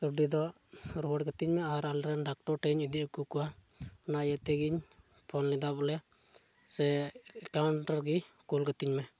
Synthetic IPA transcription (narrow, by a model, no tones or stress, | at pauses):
kɔɖid̪ɔ | ɾoɖɡət̪iɲmɛaɾalɾɛnɖak̚ʈɔɾʈɛɲid̪ikukua | najɛt̪ɛɡiɲ | pʰɔnlid̪abɔlɛ | sɛkawɳʈɔɾɡikulɡət̪iɲmɛ